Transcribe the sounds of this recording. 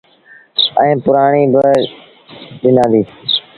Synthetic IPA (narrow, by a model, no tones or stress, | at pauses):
ɛ̃ːpʊɾaːɳ̃iːbʱə | ɗɪnãːd̪iː